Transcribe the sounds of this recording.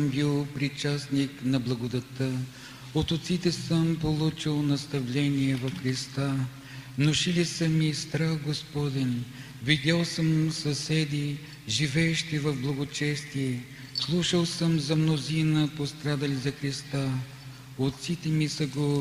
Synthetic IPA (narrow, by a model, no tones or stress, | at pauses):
mbilˠpɾit͡ʃasniknɐblˠɐɡod̪ɐt̪ə | ot̪ot̪sit̪ɛsəmpolˠut͡ʃilˠnɐst̪ɐvlɛniɛvɐfxɾist̪a | mnoʃilisəmist̪ɾafɡospɔd̪ɛn | vid̪ʲalˠsəmsɐsʲɛd̪i | ʒivɛːʃt̪ivɐvblˠɐɡot͡ʃɛst̪iɛ | slˠuʃəlˠsəmzɐmnozinəpost̪ɾad̪əlizɐxɾist̪a | ot̪sit̪ɛmisəɡo